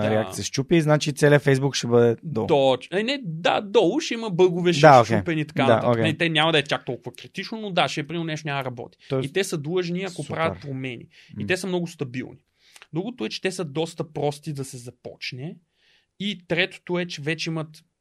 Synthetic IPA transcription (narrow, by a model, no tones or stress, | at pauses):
ɾɛaktsiəst͡ʃupiznat͡ʃit̪sɛlʲiəfɛjzbukʃɛbɤd̪ɛd̪ɔ̰d̪ɔɐnɛd̪a̰d̪ɔlˠʊʃɛiməbɤɡʊvɛʃd̪aokt͡ʃepɛnit̪ɐ̥kanaao̰əkʲɛɛt̪ɛnʲamɐd̪ɐɛt̪ʲjak̚t̪ɔlˠkʊvɐkɾit̪it͡ʃnonod̪aʃɛpɾiminɛʃt̪oʊnʲaməd̪əɾɐbɔ̰t̪i̥ɔit̪ɛsəd̪lˠɤʒniɐkopɾavɐt̪̚pɾomɛnʲḭit̪ɛsəmnɔɡʊst̪ɐbilˠni | d̪ɾuɡʊt̪ʊɛt͡ʃɛ̥t̪ɛsəd̪ɔst̪ɐpɾɔst̪id̪ɐsɛzɐpɔ̰t͡ʃnɛ | it̪ɾɛt̪o̥t̪oɛt͡ʃɛvɛt͡ʃɛimɐt̪